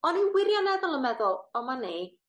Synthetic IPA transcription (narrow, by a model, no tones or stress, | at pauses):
ɔninwɪɾjɔnɛðɔlˠəmɛðɔlˠɔmane